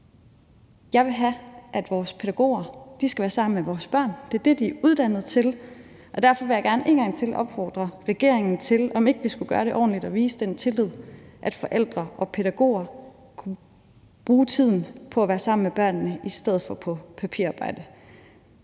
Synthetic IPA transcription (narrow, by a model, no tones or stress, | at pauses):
jɑ̈ɪʋe̝ɦæʔæd̥ʋɒːspʰe̝ɾ̥æɡ̥o̝̰ːɐd̥isɡ̥æʋæːɐsɑ̈m̰n̩meʋɒːsb̥ɶɐ̰nd̥e̝ɐd̥e̝d̥iæʔuð̞ˠd̥æn̰ð̩ˠt͡sʰe̝l | ʔɒ̽d̥æɐfɒ̽ʋe̝jɑ̈ɡ̥æɐne̝̰ːnɡ̥ɑ̈ŋ̰t͡sʰe̝lʔɒ̽b̥fɒ̰ːd̥ʁɐʁɛɡ̥e̝ɐ̰eŋn̩t͡sʰe̝lɒ̽me̝ɡ̥əʋisɡ̥uɡ̥ɶːɐɾe̝ʔɒ̰ːn̩lid̥ɒ̽ʋiːsəd̥ent͡sʰe̝lið̞̰ˠʔæd̥fɒ̽ʔel̰d̥ʁɐʔɒ̽pʰe̝ɾ̥æɡ̥o̝̰ːɐ | kʰu | b̥ʁuːt͡sʰið̞̰ˠn̩pʰɒ̽æʋæːɐsɑ̈m̰n̩meb̥ɶɐ̰nnəisd̥eð̰̩ˠfɒ̽pʰɒ̽pʰæpʰḭɐ̰ɑ̈ːb̥ɑ̈ɪ̰d̥ə